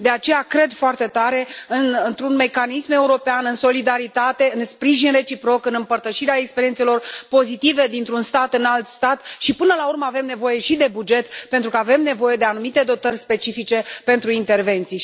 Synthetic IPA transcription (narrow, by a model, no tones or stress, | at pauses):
d̪e̞at͡ʃe̞jakɾe̞d̪foart̪e̞t̪aɾe̞ɨnnt̪ɾunme̞kanisme̞uɾo̞peanɨnso̞lid̪aɾit̪at̪e̞ɨnspɾiʒinre̞t͡ʃipɾo̞kɨnɨmpərt̪əʃiɾeaekspeɾijent̪se̞lo̞rpo̞zit̪ive̞d̪int̪ɾunst̪at̪ɨnalt̪st̪at̪ʃipɨnəlaurməave̞mne̞vo̞je̞ʃid̪e̞bud͡ʒe̞t̪pe̞nt̪ɾukəave̞mne̞vo̞je̞d̪e̞anumit̪e̞d̪o̞t̪ərʲspe̞t͡ʃifit͡ʃe̞pe̞nt̪ɾuint̪e̞rve̞nt̪sij